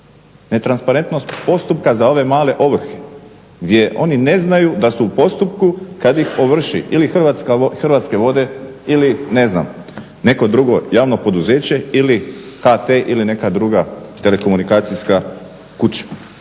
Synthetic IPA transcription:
ne̞t̪ɾanspaɾe̞nt̪no̞st̪po̞st̪up̚kazao̞ʋe̞maːle̞ʔo̞ʋr̩xe̥ | ɡd̪ʲje̞ʔo̞̰nine̞znajud̪asuupo̞st̪up̚kukad̪jixoʋr̩ʃḭʔilixrʋat̪skaxr̩ʋaːt̪ske̞ʋo̞d̪e̞ | iline̞zna̰m | ne̞ko̞d̪ɾuɡo̞jaːʋno̞po̞d̪uze̞ːt͡ɕe̞ilixat̪eʔiline̞kad̪ɾuɡat̪e̞le̞ko̞munikaːt̪sijska | kut͡ɕḁ

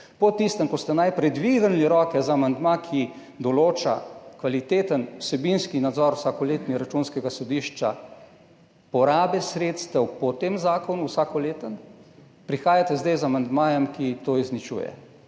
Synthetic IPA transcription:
pɔt̪ist̪əmkɔst̪ɛnajpɾɛd̪ʋiɡənliɾɔːkɛzaamand̪makʰi | d̪ɔloːt͡ʃa̰kʋalit̪eːt̪ənwsɛbinskinad̪zɔɾwsakɔleːt̪niɾat͡ʃunskɛɡasɔd̪iːʃt͡ʃa̰ | pɔɾaːbɛsɾeːt̪st̪ɛwpɔt̪eːmzaːkɔnuwsaːkɔleːt̪ən | pɾixaːjat̪ɛzd̪ɛjzamand̪maːjɛmkit̪oːiznit͡ʃṵjɛ̰

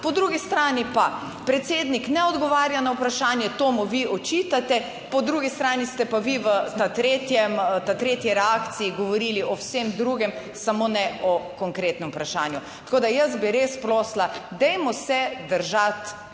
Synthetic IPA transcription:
pɔd̪ɾuɡist̪ɾaːnipa | pɾɛt̪seːd̪niknɛɔd̪ɡɔʋaːɾjanawpɾaʃaːnjɛt̪oːmuʋiɔt͡ʃiːt̪at̪ɛ | pɔd̪ɾuːɡist̪ɾaːnist̪ɛpaʋiʋət̪at̪ɾeːt̪jɛmt̪at̪ɾeːt̪jiɾɛaːkt̪siiɡɔʋɔɾiːliʔɔwsemd̪ɾuɡɛm | samonɛɔkɔŋkɾeːt̪nɛmpɾaʃaːnjut̪akoːd̪ajəsbiɾespɾoːslad̪ɛjmɔsɛd̪əɾʒat̪

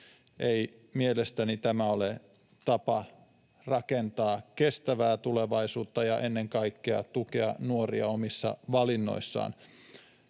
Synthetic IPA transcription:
ʔeimielest̪ænit̪æmæole | t̪ɑpɑ | rɑkent̪ɑːkest̪æʋæːt̪uleʋɑisuːt̪ːɑjɑʔenːeŋkɑikːeɑ̰t̪ukeɑnuoriɑomisːɑ̰ʋɑlinːo̰isːɑ̰ːn

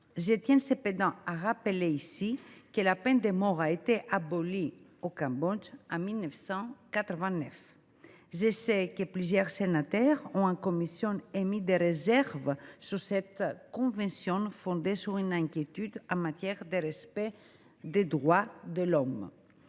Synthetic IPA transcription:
ʒət̪jɛ̃nseped̪ɑ̃aʁapeleisikəlapɛnd̪emɔʁaet̪eʔaboliokãmbɔ̃d͡ʒɑ̃milnɛfsɑ̃kat̪ɾəvɛ̃nɛf | ʒesɛkəplyzjœʁsenat̪ɛʁɔ̃ãkomisjɔ̃nemid̪eʁezɛʁvsyʁsɛt̪kɔ̃vɛ̃nsjɔ̃nfɔ̃nd̪esyʁynɛ̃kjet̪yd̪ɑ̃mat̪jɛʁd̪eʁespɛ | d̪ed̪ʁwad̪əlɔm

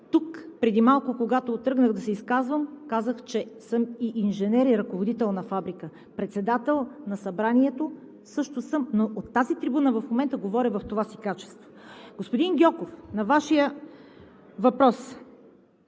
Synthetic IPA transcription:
t̪ukpɾɛd̪imalˠkʊkoɡat̪oːt̪ɾɤɡnəɣd̪ɐsɛiskazvəmkazəxt͡ʃɛsɤmiʔinʒɛnɛɾiɾɐkovod̪it̪ɛlˠnɐfabɾikə | pɾɛt̪sɛd̪at̪ɛlˠnɐsɐbɾaniɛt̪o | sɤʃt̪osəmnoʔot̪ːazit̪ɾibunəvɐfmomɛnt̪əɡovɔɾʲivɐft̪ovasikat͡ʃɛ̥st̪voɡospod̪inɡʲjɔkofnɐvaʃijə | vɐpɾɔs

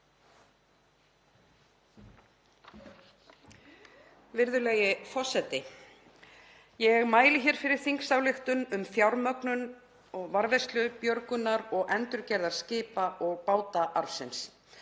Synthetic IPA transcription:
vɪɾðʏlɛjɪfɔ̥sɛt̪ɪ | jɛɣmaːjlɪçɛɾ̥fɪɾɪɾ̥θiŋksawlɪxt̪ʏnʏmθjawɾmœknʏn | ɔɣvaɾvɛjst̪lʏpjœɾkʏnːaɾɔɣʔɛnt̪ʏɾcɛɾðaɾ̥scɪːpaʔɔɣpaːwt̪aʔaɾfsɪns

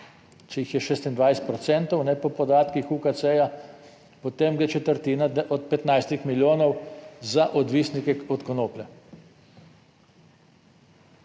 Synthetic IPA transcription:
t͡ʃɛjixjɛʃeːst̪ind̪ʋajsɛt̪pɾɔt̪sɛnt̪ɔwnɛpɔpɔd̪aːt̪kixukat̪sɛja | pɔt̪emɡɾɛt͡ʃɛt̪əɾt̪iːnad̪ʔɔt̪̚pɛt̪najst̪ixmiljoːnɔwzaʔɔd̪ʋiːsnikɛɔt̪kɔnoːplɛ

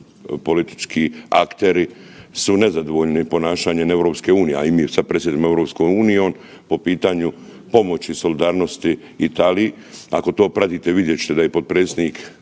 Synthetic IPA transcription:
po̞lit̪i̥t͡ʃkʰiːakt̪e̞ɾisune̞zad̪oʋoʎnipo̞naːʃaːɲene̞ʋɾo̞ːpske̞uːnijea̰imiːsapɾesjed̪imeʋɾopskojuːnijeon | po̞piːt̪aːɲu | po̞mo̞t͡ɕiso̞lid̪aːɾno̞st̪i | it̪aːliji | ako̞t̪oːpɾat̪iːt̪eʋid̪jet͡ɕɪ̥t̪ed̪ajepo̞d̪̚pɾet̪sʲed̪niːk

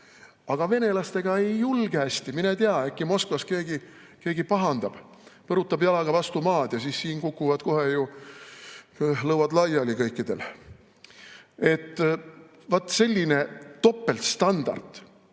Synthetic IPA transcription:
ɑɡ̥ɑve̞ne̞lɑst̪e̞ɡ̥ɑe̞jːulɡ̥eæsʲt̪iminet̪eɑekːimo̞skvɑske̞ːɡ̥i | ke̞ːɡipɑɦɑnd̪̥ɑb̥ | pɤɾut̪ːˑɑbjɑlɑɡ̥ɑvɑst̪umɑːd̪̥jɑsiːssiːnkukːˑuvɑd̪̥ko̞ɦeju | lɤwɑd̪lɑjɑlikɤjkːˑid̪̥e̞l | e̞t̪ː | vɑt̪ːˑse̞lʲːine̞t̪o̞pːe̞lt̪st̪ɑnd̪̥ɑ̰rd̪̥

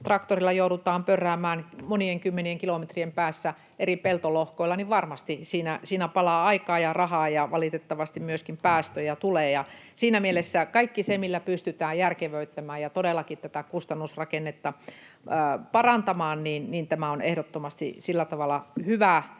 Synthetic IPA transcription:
t̪rɑkt̪orilːɑjouɾut̪ɑːmpørːæːmæːnmonieŋkymːenieŋkilomet̪riempæːsːæ | ʔeripelt̪olohkoilːɑniʋʋɑrmɑst̪isiːnæsiːnæpɑlɑːɑikɑːjɑrɑhɑːjɑʋɑlit̪et̪ːɑʋɑst̪immyøskimpæːst̪øjɑt̪uleːjɑ | siːnæmielesːækɑikːisemilːæpyst̪yt̪æːjjærkeʋøyt̪ːæmæːjɑt̪odelːˑɑkit̪t̪æt̪ækust̪ɑnːusrɑkenːet̪ːɑ | pɑrɑnt̪ɑmɑːnniːnniːnt̪æmæonehɾot̪ːomɑst̪ḭsilːæt̪ɑʋɑlːˑɑhyʋæ

